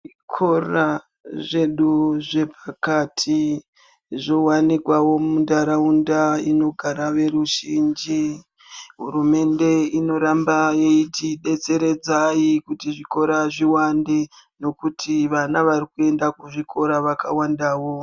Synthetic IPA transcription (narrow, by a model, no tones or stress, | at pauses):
kʰora | ʐe̞ɗuʐe̞pakatʰi | ʐo̞wanikwawo̞mundaɾaundaino̞ɡʱaɾaʋe̞ɾuʒind͡ʒi | ɦṵrume̞nde̞ino̞ɾambajeitʰiɗe̞t͡se̞ɾe̞d͡zaikutiʐiko̞ɾaʐiwandeno̞kutʰiʋanaʋarikue̞ndakuʐikʰo̞ɾaʋakawandaːwo